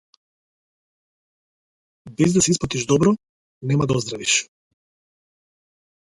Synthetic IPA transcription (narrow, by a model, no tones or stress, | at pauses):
bɛzd̪asɛisplˠat̪iʒd̪ɔbɾɔ | nɛmad̪aɔzd̪ɾaviʃ